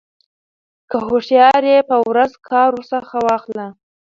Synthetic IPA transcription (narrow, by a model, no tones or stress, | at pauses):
kəhoʂjɑɾjepəwɾazkʰɑɾosəxawɑxla